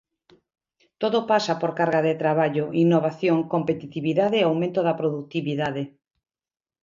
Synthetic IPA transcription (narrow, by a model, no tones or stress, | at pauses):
t̪oðopasapoɾkaɾɣaðet̪ɾaβaʎoʔinːoβaθjoŋkompet̪it̪iβiðaðeːawmẽnt̪oðapɾoðuk̚t̪iβiðaðe